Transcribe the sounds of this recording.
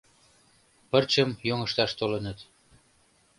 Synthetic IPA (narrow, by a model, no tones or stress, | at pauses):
pərt͡ɕəmjoŋəʃt̪ɑʃt̪olə̆nət̪